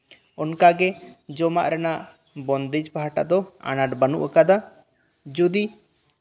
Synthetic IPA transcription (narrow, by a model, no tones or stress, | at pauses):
ɔnkaɡɛd͡ʒɔmaʔɾɛnaʔ | bɔnd̪id͡ʒpaɦaʈa̰ʔd̪ɔa̰naʈbanṵʔəkad̪a | d͡ʒɔd̪i